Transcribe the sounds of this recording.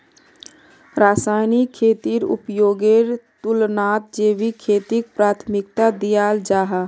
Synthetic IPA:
ɾaːsaːɪnikʰeːt̪iɾʊ̰pjoːɡeɾt̪ʊlnaːt̪̚d͡ʒeːʋikʰeːt̪ik̚pɾaːt̪ʰmɪk̚t̪ad̪ijaːld͡ʒaːɦa

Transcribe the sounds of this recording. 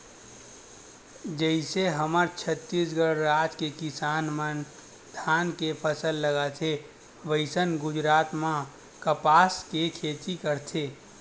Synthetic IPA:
d͡ʒəɪseɦəməɾt͡ʃʰət̪ːisɡəɽɾad͡ʒkekisanmən | d̪ʱankepʰəsəlːəɡat͡ʃʰe | ʋəɪsənɡʊd͡ʒɾaːt̪mã | kəpaːskekʰet͡ʃikəɾt̪ʰe

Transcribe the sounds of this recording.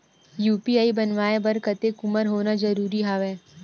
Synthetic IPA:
juːpiaːibɐnʋaːebɐɾkət̪ekʊməɾɦoːnad͡ʒɐɾuːɾiɦaːʋɛː

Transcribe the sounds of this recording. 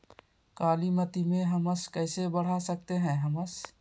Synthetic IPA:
kaːlimət̪imẽɦəməskɛːsebəɽ̤asək̚t̪eɦɛ̃ɦəməs

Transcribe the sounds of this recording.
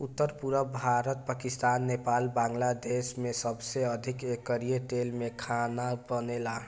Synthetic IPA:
ut̪ːəɾpuɾəbʱaɾət̪̚pakist̪aːnːepalbãŋɡlad̪esmesəbseəd̪ʱikekːəɾieʈelmekʰanabənela

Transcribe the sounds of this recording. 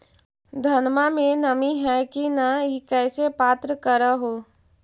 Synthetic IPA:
d̪ʱɐnmamẽnəmiɦɛkinaikɛːsepaːt̪ɾəkəɾaɦoː

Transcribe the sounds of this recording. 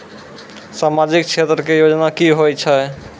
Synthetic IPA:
samad͡ʒikt͡ʃʰet̪ɾɔkejod͡ʒnakiɦojt͡ʃʰɔj

